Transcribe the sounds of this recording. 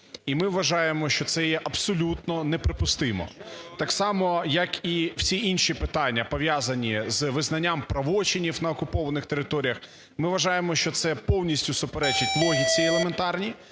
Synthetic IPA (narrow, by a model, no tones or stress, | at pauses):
imɪʋʋːɐʒɑjemɔʃt͡ʃɔt̪sɛjɛʔɐb̥sɔlʲut̪nɔnɛpɾɪpʊst̪ɪmɔ̰t̪ɑksɑmɔjɐkiw̥sʲiinʃipɪt̪ɑnʲːɐpɔʋʲjazɐnʲizʋɪznɐnʲːampɾɐʋɔt͡ʃɪnʲiwnɐɔkʊpɔʋɐnɪxt̪eɾɪt̪ɔɾʲijɐx | mɪʋɐʒɑjemɔʃt͡ʃɔt̪sɛpɔwnʲisʲtʲʊsʊpeɾɛt͡ʃɐtʲlˠɔɦʲit͡sʲielˠement̪ɑrnʲi